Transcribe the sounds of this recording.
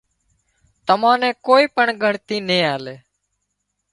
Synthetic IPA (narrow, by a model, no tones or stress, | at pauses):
t̪əmãːnẽːkoːiːpəɳɡʱəɳt̪iːnẽːaːleː